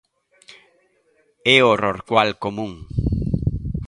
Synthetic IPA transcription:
ɛoroɾkwalkomũŋ

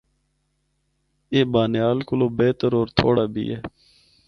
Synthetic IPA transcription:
eːbaːnejaːlkʊloːbeːt̪əɾoːɾt̪ʰoːɽaːbʱḭːeː

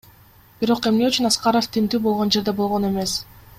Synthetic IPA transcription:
b̥iɾo̞qe̞mne̞yt͡ʃynɑsqɑɾoft̪ʰimt̪yːbo̞lˠʁo̞nd͡ʒe̞ɾd̪e̞bo̞lˠʁo̞ne̞me̞s

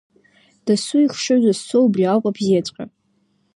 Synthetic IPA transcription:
d̥asuiχʂɨzʷassowbriakʷʼapʰzet͡ʃʷʼqʲʼa̰

